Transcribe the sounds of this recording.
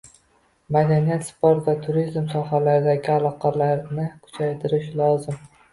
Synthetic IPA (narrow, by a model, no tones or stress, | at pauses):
mad̪anijat̪spoɾt̪vat̪ʰʊɾizmsɒɦalaɾɪd̪aɡʲɪalˠɒqʰɑlaɾnɪkʰʊ̥t͡ʃʰajt̪ʰɪɾɪʃlˠɒzɪm